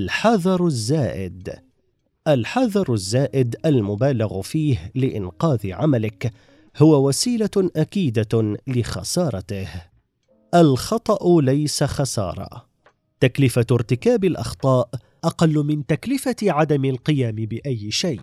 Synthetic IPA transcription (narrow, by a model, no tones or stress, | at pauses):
lħɑðˤɑɾˤzːaːʔɪ̰d̪ | ʔalħɑðˤɑɾˤazːaːʔɪd̪ʔalmʊbaːlɪɣfiːhlɪʔɪ̰nqɑːðɪʕamalɪk | hʊwawasiːlaʔakiːd̪alɪxɑ̰sɑːɾˤɑt̪ɪh | ʔalxɑt̪ˤɑʔʊlajsaxɑsɑ̰ːɾˤɑ̰ | t̪aklɪfaɾt̪ɪkaːbɪlʔɑ̰xt̪ˤɑːʔ | ʔɑqɑlːʊmɪnt̪aklɪfaʕad̪amɪlqɨjaːmɪbɪʔajːɪʃajʔ